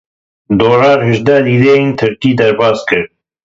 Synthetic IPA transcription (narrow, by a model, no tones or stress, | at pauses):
d̪oːɾɑːɾhɨʒd̪ɛːliːd̪eːent̪ʰɨɾkiːd̪ɛɾbɑːskɨɾ